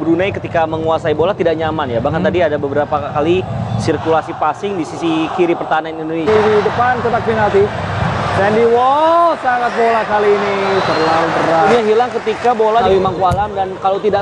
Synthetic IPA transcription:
bəɾunajkət̪ikaməŋuasaibolat̪idaʔɲamanjabakant̪adiadabəbəɾapakalisirkulasipasɪŋdisisikiɾipərt̪aɦananinindonesidəpansət̪ak̚finalt̪isɛndiwɔlsaŋat̪̚bolakaliːnit̪ərlalut̪əɾajaɦilaŋkət̪ikabolaemaŋkualamdankalot̪ida

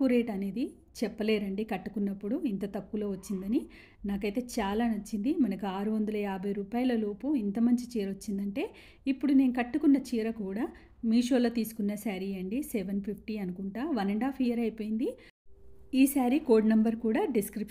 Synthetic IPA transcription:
uɾe̞ːʈɐne̞ːd̪i | t͡ʃɛpːɐle̞ːɾɐɳɖikɐʈːukunːɐpːuɽuint̪ɐt̪ɐkːulo̞ːʋɐt͡ʃːind̪ɐni | naːkɐjt̪e̞ːt͡ʃaːlaːnɐt͡ʃːind̪imɐnɐkuaːɾuʋɐnd̪ɐlɐjaːbʱɐjɾuːpaːjɐlɐloːpuint̪ɐmɐɲt͡ʃit͡ʃiːɾɐʋɐt͡ʃːind̪ɐɳʈe̞ː | ipːuɽune̞ːnukɐʈːukunːɐt͡ʃiːɾɐkuːɽaː | miːʂo̞ːlo̞ːt̪iːsu̥kunːɐsaːɾiɐɳɖisɛʋɐnpʰip̚ʰʈiɐnukuɳʈaːʋɐnɐɳɖaːpʰijɐɾɐjpo̞ːjind̪i | iːsaːɾiko̞ːɖnɐmbɐɾkuːɽaːɖiskɾip

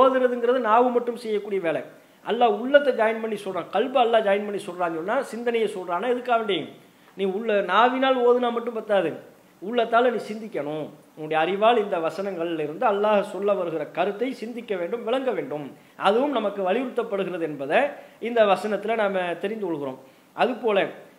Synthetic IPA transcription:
oːðɯɾɐðɯŋɡɪɾɐðɯnaːʋɯmɐʈːɯmsɛjːɐkːuːɽɪjɐʋeːlɐɪ | ʔɐlːaːʊɭːɐt̪ːɐd͡ʒaːjɪnpɐɳːisɔlrɾãːkɐɭbɐɐlːaːd͡ʒaːjɪnpɐɳːisɔlraːɔnːaːsɪnd̪ɐnɐjɐɪsɔlrɾaːnaːɛðɯkːaːʋɐɳɖeːŋ | nĩːʊɭːɐnaːʋɪnaːloːðɯnaːmɐʈːɯmpɐɾt̪aːðɯ | ʊɭːɐt̪ːaːlɐnĩːsɪnd̪ɪkʲːɐɳʊ̃ | ʊŋːʊɽɐjɐɐɾɪʋaːɭɪnd̪ɐʋɐsɐnɐŋɡɐɭɪlɪɾɯnd̪ɯɐlːaːɣɐsɔlːɐʋɐɾɯɣɪɾɐkɐɾɯt̪ːɐɪsɪnd̪ɪkʲːɐʋeːɳɖɯmʋɪɭɐŋɡɐʋeːɳɖɯm | ɐðɯʋɯmnɐmɐkːɯʋɐlɪʋɾɯt̪ːɐpːɐɽɯɣɪɾɐðɯɛnbɐðɐɪnd̪ɐʋɐsɐnɐt̪ːɪlɐnaːmɐt̪ɛɾɪnd̪ɯkɔɭɣɪɾo̰ːm | ʔɐðɯpoːlɐ

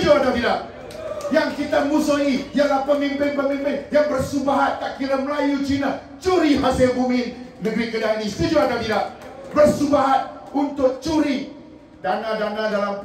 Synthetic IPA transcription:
d͡ʒuant̪at̪idaʔ̚ | jaŋkit̪amusuɦijalahpəmimpɛnpəminbɪnjaŋbərsubaɦat̪̚kaʔkiɾaməlajut͡ʃina | t͡ʃuɾiɦaselbumɪnːəɡɾikədanist̪id͡ʒuank̪at̪idaʔbərsubaɦat̪̚unt̪ʊk̚t͡ʃuɾi | danadanadalam

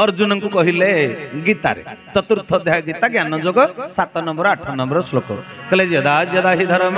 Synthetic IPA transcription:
ɔɾd͡ʒunɔŋkukɔɦileɡit̪a̰ɾḛt͡ʃɔt̪uɾt̪ʰːɔd̪jaɡit̪aɡjanɔd͡ʒoɡɔsat̪ɔnɔmbɔɾɔaʈʰɔnɔmbɔɾɔslokɔ̰keled͡ʒiɔd̪ad͡ʒijɔd̪aɦid̪ʱaɾɔm

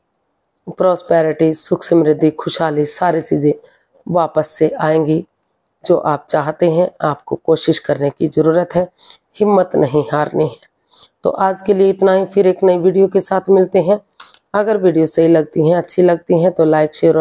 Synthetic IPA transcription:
pɾɔːspɛːɾɪʈisʊkʃəmɾɪd̪ʱːixʰʊʃɦaːlisaːɾit͡ʃiːzẽ | ʋaːpəsːeʔaːẽːŋɡi | d͡ʒoːʔaːp̚t͡ʃaːɦt̪eɦɛ̃aːp̚kokoːʃɪʃkɐɾnekizɐɾuːɾət̪ɦɛː | hɪmːət̪nɐɦĩɦaːɾniɦɛː | t̪o̰ːʔaːd͡ʒkelieɪt̪naɦĩfɪɾeːknɐiʋiːɖijokesaːt̪ʰmɪlt̪eɦɛ̃ | ɐɡəɾʋiːɖijosɐɦilɐɡ̚t̪iɦɛ̃ɐtːʃʰilɐɡ̚t̪iɦɛ̃t̪olaːɪkʃeːɾ

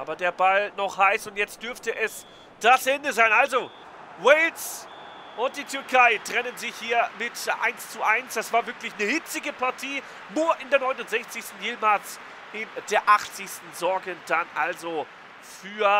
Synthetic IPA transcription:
ʔʔaːbɐdeːɐbalnɔχhaɪsʊntjɛt͡st̚d̥ʏɐftəʔɛs | d̥asʔɛndəzaɪnʔalzo | wɛɪls | ʔʊnt̚d̥iːtʰʏɐkʰaɪtʁ̥ɛnənzɪçhiːɐmɪtʔa̰ɪnst͡suʔaɪnsd̥asv̥aːɐvɪɐklɪçnəhɪt͡sɪɡəpʰaɐtʰiː | nuːɐʔɪndeːɐnɔʏnʊntz̥ɛçt͡sɪçstn̩jeːmals | ɪndeːɐʔaχt͡sɪçstn̩zɔɐɡəd̥anʔalzo | fyːɐ

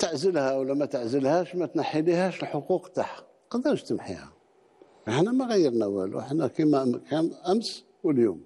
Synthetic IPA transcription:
t̪əʕzəlhæwlːæmæt̪əʕzəlhæʃmæt̪naħːilihæʃəlħoquqt̪aħ | qɑd̪əɾʃt̪əmħḭhæ̰ | fəħnæmæɣæjːəɾˤnæwæ̰lṵħnækimækʰænʔæms | wəljṵm

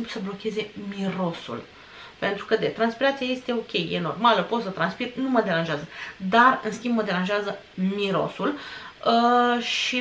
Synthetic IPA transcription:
implusəblo̞kʲe̞ze̞miɾo̞sṵl | pe̞nt̪ɾukəd̪e̞t̪ɾanspiɾat̪sijeje̞st̪e̞o̞kʲe̞jːeno̞̰rmaləpo̞t̪sət̪ɾanspirnuməd̪e̞ɾanʒeazəd̪arɨnskʲimbməd̪e̞ɾanʒeazə | miɾo̞̰suləʃi

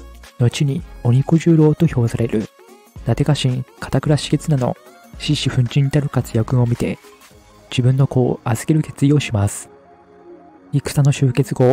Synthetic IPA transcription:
no̞t͡ɕiɲ̟io̞ɲ̟ikoʑɨːɾo̞ːt̪o̞ço̞ːsaɾe̞ɾɯ̟̰ | d̪̥at̪e̞kaɕĩŋkʰḁt̪akɯ̟ɾaɕi̥ke̞t͡sɨnano̞̰ | ɕiɕiɸɯ̟̃ɲ̟t͡ɕĩɲ̟ːit̪aɾɯ̟kat͡sɨ̥jakɯ̟̃o̞mʲit̪e̞ | d͡ʑibɯ̟̃nːo̞ko̞ːazɨke̞ɾɯ̟ke̞t͡sɨjo̞ːɕimasɨ̥ | ikɯ̥sanoɕɨːke̞t͡sɨɡo̞

